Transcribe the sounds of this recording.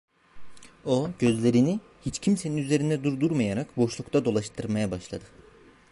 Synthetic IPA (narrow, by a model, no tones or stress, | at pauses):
o̞ɟø̞zlʲe̞ɾini | hit͡ʃcʰimse̞ninyze̞ɾind̪ɛd̪uɾd̪uɾmajaɾakbo̞ʃlˠukt̪ʰad̪o̞lˠaʃt̪ʰɯɾmajabaʃlˠad̪ɯ